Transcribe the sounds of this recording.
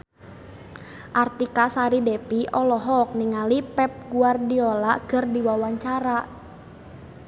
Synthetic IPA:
ʔart̪ikasaɾidɛpiʔɔlɔɦɔk̚niŋalipɛp̚ɡuardiɔlakɨrdiwawaɲt͡ʃaɾa

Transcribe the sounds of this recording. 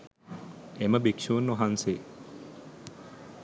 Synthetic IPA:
eməbikʂuːnːuɦanse

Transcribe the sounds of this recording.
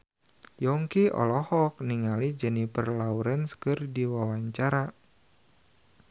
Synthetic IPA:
jɔŋkiɔ̰lɔhɔk̚niŋalid͡ʒənipərlauɾənskɨrdiwawaɲt͡ʃaɾa

